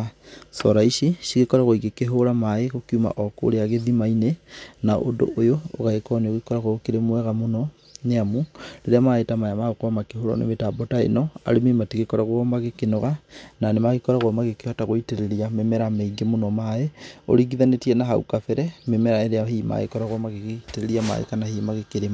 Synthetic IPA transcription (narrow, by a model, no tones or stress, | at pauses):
sɔɾaiʃiʃiɣekɔɾaɣoiɡekeɦoɾamaeɣokiuma̰ʔɔko̰ɾeaɣeðimainenaʔondo̰ʔojo̰ːɣaekɔneoɣikɔɾaɣoɣokeɾemwɛɣamonɔ | neamuɾeɾeamaetamajamaɣokoamakeɦoɾɔ̰nḛmetabɔtaḛnɔa̰ɾemematiɣekɔɾaɣwɔmaɣekenɔɣananemaɣikɔɾaɣɔmaɣekehataɣoiteɾeɾiamemɛɾameiɡemonɔmaeo̰ɾiɡiðanetiɛnaɦaṵkafɛɾɛmemɛɾaeɾeaɦima̰ɣḛkɔɾaɣwɔmaɣeɣteɾeɾiama̰ḛkanahiːmaɣekeɾem